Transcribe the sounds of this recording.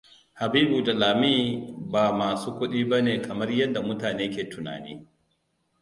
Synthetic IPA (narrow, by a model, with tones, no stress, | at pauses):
ha˨biː˦bu˨da˨laː˨mi˦baː˨maː˨suː˦kʷʊ˦ɗiː˦bɐ˦neː˨kʰɐ˨mɐ˦rjɐ˦ndːa˨mʊ˦taː˨neː˦kʲeː˨tʊ˨na̰ː˨nḭː˦